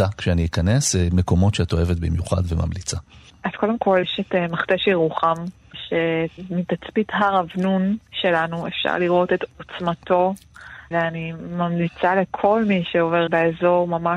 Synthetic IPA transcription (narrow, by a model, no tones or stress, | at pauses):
akʃeaniikanesmeko̞mo̞tʃeatoevet̪bimjuχa̰dvema̰mlit͡sa | ʔaz̥ko̞demko̞leʃetmaχteʃʁuχam | ʃemitat͡spitɦaʁavnunʃe̞lanuefʃa̰ʁliʁo̞tetot͡smato̞ | veanimamlit͡salekʰo̞lmiʃeove̞ʁbeezo̞ʁmama